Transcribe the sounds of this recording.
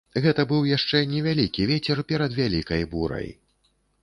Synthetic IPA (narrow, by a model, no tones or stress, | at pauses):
ɣɛt̪ɐbɨwjaʂt͡ʂɛnʲɛvʲalʲikʲivʲet͡sʲɛrpʲɛɾɐd̪vʲalʲikɐjbuɾɐ̰j